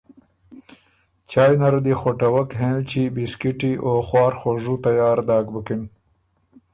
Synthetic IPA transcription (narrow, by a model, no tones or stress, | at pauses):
t͡ʃaːjnɐɾd̪ixoʈɐwɐkɦẽlt͡ɕibiskiʈioxwɑːɾxoʐut̪ajaːɾd̪ɑːɡbəkin